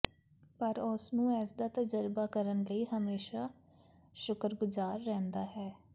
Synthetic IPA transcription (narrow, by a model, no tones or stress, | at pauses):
pəɾʊsnũːɛːsd̪aːt̪əd͡ʒəɾbaːkəɾənləiːɦəmeːʃaː | ʃʊkɾɡʊzaːɾːɛ̃ːnd̪aːɦɛː